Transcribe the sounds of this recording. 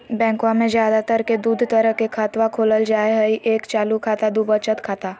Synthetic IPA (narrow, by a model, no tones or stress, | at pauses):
bɛ̃ːŋkwãmẽzjaːd̪at̪əɾked̪uːd̪ʱt̪əɾəɦkekʰaːt̪ʋakʰoːləld͡ʒaːeɦəiʔeːkt͡ʃaːlukʰaːt̪ad̪ubət͡ʃət̪kʰaːt̪aː